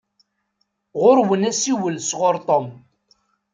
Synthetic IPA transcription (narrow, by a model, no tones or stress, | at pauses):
ʁʊɾwənæsiwəlsʁoɾt̪ˤom